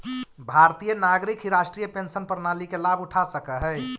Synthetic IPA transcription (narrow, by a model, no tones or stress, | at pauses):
bʱaɾt̪ijənaɡɾikɦiɾasʈɾijəpensənpəɾnalikelabuʈʰasəkəɦɛ